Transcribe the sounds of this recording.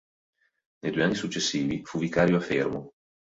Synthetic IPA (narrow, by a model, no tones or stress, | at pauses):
nejd̪uːɛanːisut͡ʃːesːiːvifuvikaːɾjoafermo